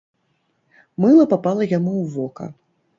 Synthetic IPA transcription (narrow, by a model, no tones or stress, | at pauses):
mɨlˠɐpapalˠɐjamuwvɔkɐ̰